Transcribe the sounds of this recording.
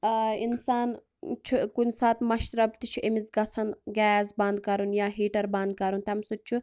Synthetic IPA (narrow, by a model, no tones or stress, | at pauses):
insaːn | t͡ʃʰukunʲsaːt̪mɐʃt̪ɾɐbt̪it͡ʃʰuʔemisɡɐsʰɐnɡɛːsbɐnd̪̚kɐɾunjaːɦiːʈɐɾbɐ̃nd̪̚kɐɾunt̪ɐmsut͡ʃʰu